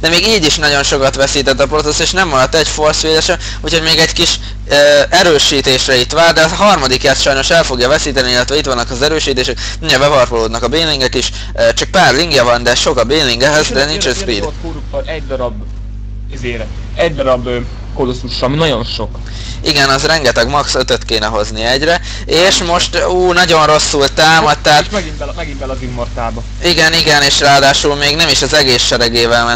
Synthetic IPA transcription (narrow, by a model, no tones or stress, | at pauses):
d̪̥ɛmeːɡiːɟiʃnɒɟo̞nʃo̞kɒt̪ʋɛsiːt̪ɛt̪ːɒprot̪oseːʃnɛmːɒɾɒt̪ːɛɟfo̞rsʋeːlɛʃɛ | uːcʰho̞ɟmeːɡɛɟkiʃ | øɛɾøːʃiːt̪eːʃrɛit̪ʋaːld̪ɛɒɦɒrmɒd̪ikjaːt̪ʃɒjno̞ʃɛlfo̞ɡjɒvɛsiːt̪ɛniilːɛt̪ʋɛit̪ʋɒnːɒkɒzɛɾøːʃiːt̪eːʃɛk̪ | iɲɛbɛvɒrpoloːd̪nɒkɒbeːnliŋɡɛkiʃ | t͡ʃɒk̚paːrliŋɡjɒvɒnd̪ɛʃo̞kɒbeːnlːiŋɡɛɦɛzd̪ɛnint͡ʃɛnspiːd̪koːɾukːoɾɛɟd̪ɒɾɒb | izeːɾɛ | ɛɟd̪ɒɾɒb | kolusːuʃːminɒɟo̞nʃo̞k | iɡɛnɒzrɛŋɡɛt̪ɛɡmɒksøt̪øt̪keːnɛɦo̞zniɛɟrɛ | eːʃmo̞ʃt̪uːnɒɟo̞nro̞sːult̪aːmɒt̪̚t̪ːɛɦat̪ɛɡibɛmɛɡibɛlɒzimːort̪aːbɒ | iɡɛniɡɛneːʃraːd̪aːʃuːlmeːɡnɛmiʃɒzɛɡeːsʃɛɾɛɡeːvɛlmɛ